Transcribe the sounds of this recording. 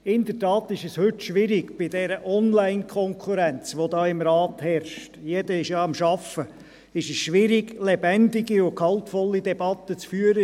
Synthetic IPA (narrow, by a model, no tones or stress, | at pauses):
ɪnd̥̪ətɑːt̪ɪʃəshʏtʃʋɪɾɪɡb̥ɪd̥ɛɾəʔɔnlæɪnkʰɔŋkʰuɾænt͡sʋod̪ɑːɪmɾɑːt̪hɛɾʃtjed̥əɪʃjɑɑmʃɑfə | ɪʃəsʃʋɪɾɪɡlɛbɛndɪɡiʊkhɑlt̪fɔlːid̪ɛb̥ɑt̪ːət͡sfyːəɾə